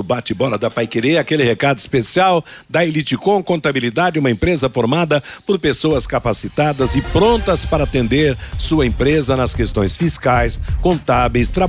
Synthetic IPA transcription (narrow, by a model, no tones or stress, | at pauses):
ʊbat͡ʃ̪ɪbɔɾɐd̪ɐpajkeɾeakelɪhekad̪ʊi̥spesiawd̪ɐelit͡ʃikõkõnt̪abilid̪ad͡ʒɪũmɐẽmpɾezɐfoɾmad̪ɐpoɾpesoɐskapasit̪ad̪ɐzɪpɾõnt̪ɐspaɾɐat̪ẽnd̪eɾsuɐẽmpɾezɐnɐskest̪õj̃sfiskajskõnt̪abejst̪ɾa